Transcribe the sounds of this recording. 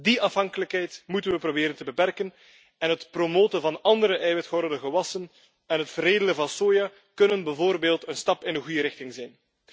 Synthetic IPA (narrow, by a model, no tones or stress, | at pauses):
diʔɑfɦɑŋkələkɦɛjtmutənʋəprobeːɾəntəbəpɛrkən | ɛnɦətpromoːtənvɑnɑndəɾəʔɛjʋɛtxɔrdəɣəʋɑsən | ɛnɦətfəɾeːdələvɑnsoːja | kɵnənbəvoːrbeːlˠtənstɑpɪnənɣujəɾɪxtɪŋzɛjn